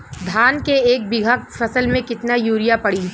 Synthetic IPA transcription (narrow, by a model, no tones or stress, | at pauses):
d̪ʱaːnkeːk̚bɪɡʱakfʰɐsəlmẽkɪt̪najuːɾijapɐɽi